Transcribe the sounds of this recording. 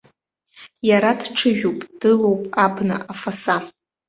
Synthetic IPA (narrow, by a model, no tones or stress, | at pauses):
jaɾadʈ͡ʂʰɨʒᶣowpʼd̥ɨlowpʼabnɨ̰ʔafasa